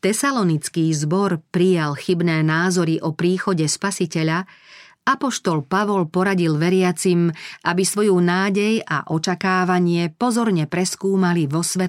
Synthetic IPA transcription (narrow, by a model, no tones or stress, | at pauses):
t̪ɛsalɔnit͡skiːzbɔɾpɾijalxibnɛːnaːzɔɾiʔɔpɾiːxɔɟɛspasicɛʎa | apɔʃt̪ɔlpaʋɔlpɔɾaɟilʋɛɾɪat͡simʔabisʋɔjuːnaːɟɛja̰ʔɔt͡ʃakaːʋaɲɪɛpɔzɔɾɲɛpɾɛskuːmaliʋɔsʋɛt̪